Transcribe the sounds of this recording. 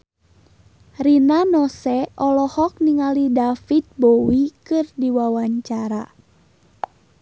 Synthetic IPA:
rinanɔsɛʔɔlɔhɔk̚niŋalidafit̪̚bowikɨrdiwawaɲt͡ʃaɾa

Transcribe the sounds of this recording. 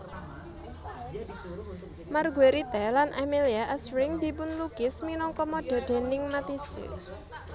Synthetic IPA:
marɡweɾit̪ɛlanʔameliaʔɛsɾɪŋd̪̥i̤pʊnluɡ̥ɪsminɔŋkɔmɔɖ̪̥ɛ̤ɖ̪̥e̤nɪŋmat̪isɪ̰

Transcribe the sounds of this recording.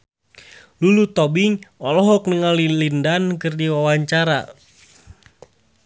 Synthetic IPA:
lulut̪ɔbiŋɔlɔɦɔk̚nəŋalilindankɨrdiwawaɲt͡ʃaɾa̰

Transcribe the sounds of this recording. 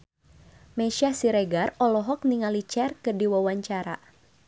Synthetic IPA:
mɛʃasiɾɛɡarɔlɔɦɔk̚niŋalit͡ʃɛrkɨrdiwawaɲt͡ʃaɾa̰

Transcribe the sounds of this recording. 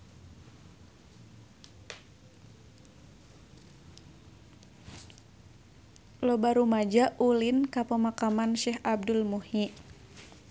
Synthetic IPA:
lobaɾumad͡ʒaʔulinkapəmakamanʃɛɦab̚dulmuhi

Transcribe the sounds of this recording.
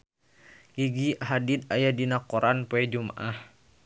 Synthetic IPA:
ʔiɡiɦadid̪̚ajadinakɔɾanpoɛd͡ʒuma̰ʔah

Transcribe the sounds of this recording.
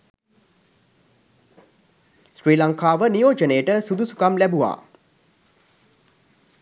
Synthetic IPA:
sɾiːlaŋkaːʋənijoːd͡ʒənejəʈəsud̪usu̥kamlæbuʋa̰ː

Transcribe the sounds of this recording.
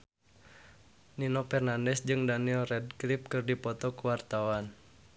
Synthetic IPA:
ninɔpɛrnandɛsd͡ʒɨŋdanilrɛd̚klip̚kɨrdipɔt̪ɔkuwart̪awan

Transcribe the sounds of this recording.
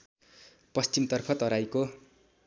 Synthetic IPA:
pʌst͡ɕimt̪ʌrpʰʌt̪ʌɾajko

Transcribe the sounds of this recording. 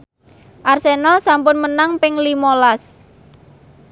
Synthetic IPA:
ʔarsenalsampʊnmənaŋpɪŋlimolas

